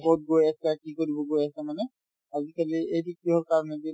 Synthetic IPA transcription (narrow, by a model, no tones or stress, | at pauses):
kɔt̚ɡojasakikoɹibɔɡojasɛmanɛ | azikaliejbikiɦɔɹkaɹɔnɛdi